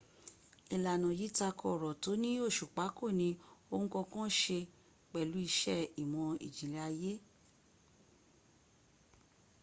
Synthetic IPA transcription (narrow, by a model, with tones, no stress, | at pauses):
i˨la˨nã˨ji˨˦ta˧kʰɔ˧˨ɾɔ˨to˨˦nĩ˦o˦˨ʃu˨k͡pa˨˦ko˦˨nĩ˧˦o˧hũ˦kɔ̃˧kɔ̃˦ʃe˧ | k͡pɛ˨lu˨˦i˧ʃɛ˦˨i˨mɔ̃˧ḭ˨d͡ʒi˨li˧˦a˧je˦